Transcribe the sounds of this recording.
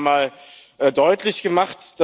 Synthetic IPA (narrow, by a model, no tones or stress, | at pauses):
maːl | ʔɛːdɔʏtʰlɪçɡ̥əmaχtd̥a